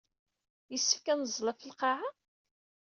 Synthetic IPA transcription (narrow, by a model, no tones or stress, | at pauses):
jəsːə̥fkænəzˤlɑfəlqɑʕa